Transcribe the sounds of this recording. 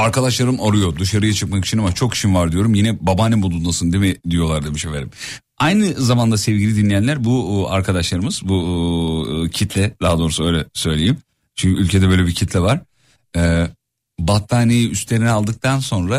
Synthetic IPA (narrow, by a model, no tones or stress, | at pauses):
aɾkad̪aʃlˠaɾɯmaɾujo̞d̪ɯʃaɾɯjat͡ʃʰɯkmaki̥t͡ʃʰinamat͡ʃʰo̞kʰi̥ʃimvaɾd̪ijo̞ɾumjinɛbabanimbulˠunmasɯnd̪emɛd̪ijo̞lˠaɾd̪emiʃefeɾim | ajnɯzamand̪asɛvɟilʲid̪inlʲijænlʲæɾbua̰ɾkʰad̪aʃlˠaɾɯmɯz̥bu | cʰit̪ʰlʲɛd̪̥aɦad̪o̞ːɾusuø̞jlʲɛsø̞jlʲejim | t͡ʃʰyɲcʰyylʲcʰed̪ɛbø̞jlʲebicʰit̪lʲɛvaɾ̥ | ɛ | bat̪ʰːaːnejiʔyst̪lʲe̞ɾinɛalˠd̪ɯk̚t̪ʰanso̞nɾa